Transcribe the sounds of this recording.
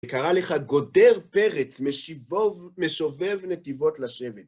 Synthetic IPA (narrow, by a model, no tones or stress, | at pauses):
ekaʁaleχaɡo̞d̪eʁpeʁet͡sme | meʃovevnet̪ivo̞t̪laʃevet